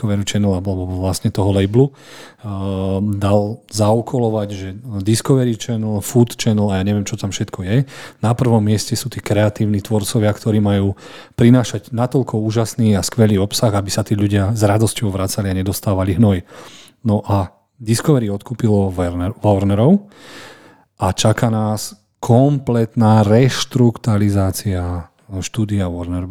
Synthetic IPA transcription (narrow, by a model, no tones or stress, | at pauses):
ɔʋɛɾut͡ʃɛnlalɛbɔʋlasɲɛt̪ɔɦɔlɛjblu | d̪alzaukʰɔlɔʋaɟʒɛd̪iskɔʋɛɾit͡ʃɛnl̩fut̪t͡ʃɛnlajaːɲɛʋɪɛmt͡ʃɔt̪amfʃɛt̪kʰɔjɛnapr̩ʋɔmːɪɛscɛsuːt̪iːkɾɛat̪iːʊniːt̪ʋɔɾt͡sɔʋɪakt̪ɔɾiːmajuːpɾinaːʃaɟnat̪ɔʎkʰɔuːʒasniːaskʋɛliːɔpsaɣabisat̪iːʎuɟɪazɾad̪ɔscɔʊʋɾat͡saliaɲɛd̪ɔst̪aːʋaliɦnɔji | nɔʔa | d̪iskɔʋɛɾiɔt̪kuːpilɔʋɔɾnɛɾɔʊ | ʔat͡ʃakanaːs | kʰɔmplɛt̪naːɾɛʃt̪ɾukt̪alizaːt͡sia | ʃt̪uːd̪iaʋɔɾnɛɾ